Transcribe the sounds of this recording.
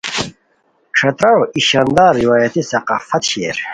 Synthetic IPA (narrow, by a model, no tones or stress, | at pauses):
kʂʰɐt̪ɾɐɻoʔiɕaːnd̪aːɾːiwaːjɐt̪isɐqɑːfɐt̪ɕeɾ